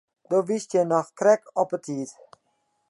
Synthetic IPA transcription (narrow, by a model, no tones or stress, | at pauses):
doʋistjɛnɔxkrɛkɔpətʰiət